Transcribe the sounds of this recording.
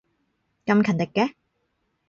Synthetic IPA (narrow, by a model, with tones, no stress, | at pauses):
kɐ˧mkʰɐ˨˩nt̪ɪ˨kːɛ˧